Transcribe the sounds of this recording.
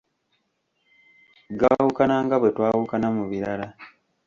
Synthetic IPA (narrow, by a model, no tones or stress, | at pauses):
ɡawukanaːŋɡaβwetwaːwukanamuβiɾala